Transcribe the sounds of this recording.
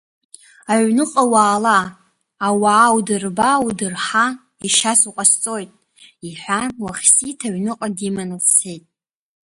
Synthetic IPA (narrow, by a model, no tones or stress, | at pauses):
aʕʷnɨqʼawaːlaː | waːwdɨrbawdɨrħa | iʃasuqʼast͡sʼojtʼ | iħʷᶣawaχʲsitʰaɥnɨqʼadimanɨsejtʼ